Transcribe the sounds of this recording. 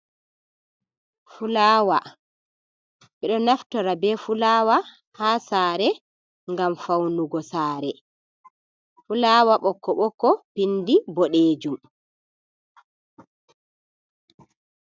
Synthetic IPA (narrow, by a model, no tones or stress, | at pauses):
fulaːwa̰ | ɓɛɗɔnaftɔɾabɛfulaːwa | haːsaːɾɛ | ŋɡamfawnuɡɔsaːɾɛ | fulaːwaɓɔkːɔɓɔkːɔpindibɔɗeːd͡ʒum